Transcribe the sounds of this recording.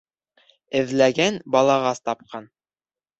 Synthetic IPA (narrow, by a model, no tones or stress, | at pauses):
ɘ̆ðlæɡænbɑlˠɑʁɑst̪ɑp̚qɑn